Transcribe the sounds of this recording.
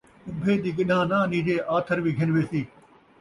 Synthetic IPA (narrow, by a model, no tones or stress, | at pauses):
ʊbʱeːd̪iːɡɪɗãːnãːniːd͡ʒeːʔaːt̪ʰəɾbiːɡʱɪnʋeːsiː